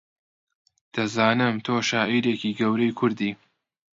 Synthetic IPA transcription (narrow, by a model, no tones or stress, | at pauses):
d̪̥ɐzaːnɨmt̪ʰoːʃaːʔiːɾeːkiːɡɐwɾɐjkʰʊɾd̪iː